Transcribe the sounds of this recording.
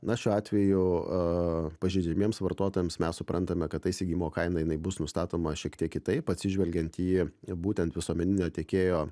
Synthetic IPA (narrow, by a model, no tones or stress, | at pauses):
nɐʃʲuːɑːt̪ʲʋʲɛjʊ | pɐʒʲɛɪd͡ʒʲɛmʲiɛmsʋɐɾt̪oːt̪oːjɛmsmʲɛssʊpɾʔɐnt̪ɐmʲɛkɐt̪ɐɪsʲɪɡʲiːmoːkɐɪnɐjɪnɐɪbʊsnʊst̪ɑːt̪oːmɐʃʲiɛkt̪ʲiɛkːʲɪt̪ɐɪpɐtʲsʲɪʒʲʋʲɛlʲɡʲɛnt̪jiːbuːt̪ʲɛnt̪ʋʲɪsuɔmʲɛnʲɪnʲoːt̪ʲeɛkʲeːjoː